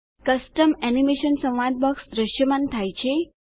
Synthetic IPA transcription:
kəsʈəmɛnimeʃənsə̃w̃ʋad̪̚bəksd̪ɾəʃjəmant̪ʰajt͡ʃʰe

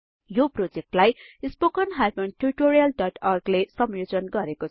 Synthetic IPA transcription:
joprod͡zek̚ʈlajispokʌnɦamʌnʈurʈoɾijʌlɖʌʈʰʌrɡlesʌmjod͡zʌnɡʌɾekot͡sʰ

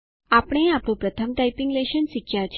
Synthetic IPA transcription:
apəɽ̃eapɳ̃ũpɾət̪ʰəmʈaipɪŋɡleʃənsikjat͡ʃʰ

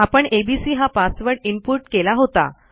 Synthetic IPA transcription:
apəɳebisiːɦafasʋəɾɽimpuʈkelaɦot̪a̰

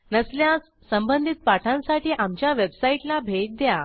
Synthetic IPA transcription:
nəsljasːəmbənd̪ʱit̪̚paʈʰãnsaʈiːʔamt͡ɕjaʋebsaiʈlabʱeʈ̚d̪ja

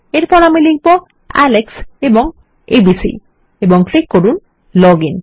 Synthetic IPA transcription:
eɾpɔɾamiliɡpɔ | a̰leksebɔŋ | ebisḭ | ebɔŋpʰlikːoɾun | lɔɡin

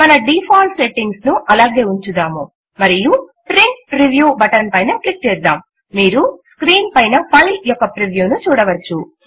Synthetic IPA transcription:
mɐnɐɖiːpʰaːlseʈːiŋɡsnuʔɐlaːɡe̞ːuɲt͡ʃud̪aːmu | mɐɾijupɾiŋkpɾiʋjuːbɐʈɐnpɐjnɐklik̚t͡ʃɛːd̪ːaːmː | iːɾuskɾiːnpɐjnɐpɐjljɔkːɐpɾiʋjuːnut͡ʃuːɽɐʋɐt͡ʃːu

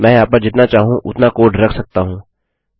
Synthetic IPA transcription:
mɛ̃ːaːp̚kɐɾd͡ʒɪt̪nat͡ʃaːɦũʔʊ̰t̪nakoːʈɾɐkʰsɐk̚t̪aɦũː

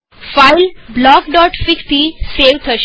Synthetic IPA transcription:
fajlblɔkɖɔʈfikt̪iseʋt̪ʰəɕ

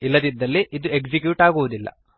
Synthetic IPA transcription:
ilːɐd̪id̪ːɐlːiʔid̪ueɡd͡ʒikjuːʈaːɡuʋud̪ilːɐ̰

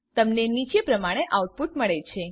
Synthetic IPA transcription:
t̪əmnenit͡ʃepɾəmaɽ̃eʔawʈ̚puʈməɭet͡ʃʰe

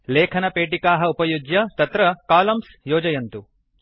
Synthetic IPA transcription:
leːkʰɐnɐpeːʈikaːɦɐupɐjud͡ʒjɐt̪ɐt̪ɾɐkaːlɐms | joːd͡ʒɐjɐnt̪u

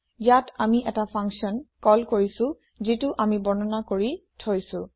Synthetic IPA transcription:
jatamiʔɛtapʰaŋksiɔnkɔlkoɹisʊ̃ | zitʊʔamibɔnɔnakoɹitʰojsʊ̃

